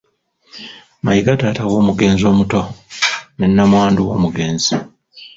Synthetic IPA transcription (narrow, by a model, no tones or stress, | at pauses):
majiɡataːtawo̞ːmuɡe̞ːnzo̞ːmuto̞ | ne̞nːamwaːnduwo̞̰ːmuɡe̞ːnzi